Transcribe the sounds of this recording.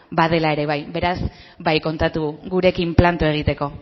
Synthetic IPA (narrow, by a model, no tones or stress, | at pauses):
bað̞e̞lae̞ɾe̞β̞ajbe̞ɾaz | bajko̞nt̪at̪uɣuɾe̞kimplant̪ue̞ɣ̞it̪e̞ko̞